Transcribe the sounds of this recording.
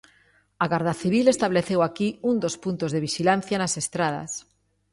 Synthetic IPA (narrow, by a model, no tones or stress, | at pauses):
aɣaɾðaθiβ̞ilest̪aβleθewakiund̪ospunt̪ozðeβiʃilan̟θjanasest̪ɾað̞a̰s